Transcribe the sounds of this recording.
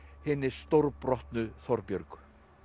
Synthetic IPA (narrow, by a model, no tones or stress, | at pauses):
hɪnːɪst̪owɾpɾɔht̪nʏθɔɾpjœɾkʏ̥